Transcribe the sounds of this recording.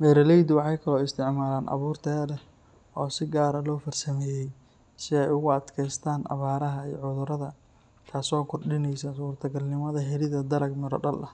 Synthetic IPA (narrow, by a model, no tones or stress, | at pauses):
mɛːɾɐlɛjd̪wɑħɑjkʰɐlɔːɪst̪ʰɪʕmaːlaːnʔɐ̰βuːrt̪ʰɛːlɛ | ɔːsɪɡaːɾɐlɔːfɐrsɐmɛːjɛj | sɪɛjʊɣʊɐd̪kʰɛjst̪ʰaːnʔɐ̰βaːɾɐɦɐḭːʕʊðʊɾɐðɐ | k̪ʰaːsɔːkʰʊrɖɪnɛjsɐsuːrt̪ʰɐɡɐlnɪmɐðɐɦɛɾɪðɐd̪ɐlɐɡmɪɾɔ̰ɖɐlʔɐh